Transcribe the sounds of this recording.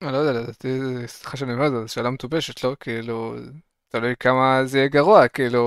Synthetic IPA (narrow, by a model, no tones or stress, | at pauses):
alojd̪alod̪aːt̪izesliχaʃeanimazazaʃelamet̪ubeʃet̪lo̞kʰeilu | t̪alujkamazejeɡaʁuakiilu